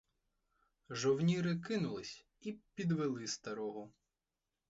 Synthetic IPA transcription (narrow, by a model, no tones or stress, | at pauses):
ʒɔwnʲiɾɪkɪnʊlˠɪsʲ | ipʲid̪ʋelˠɪst̪ɐɾɔɦʊ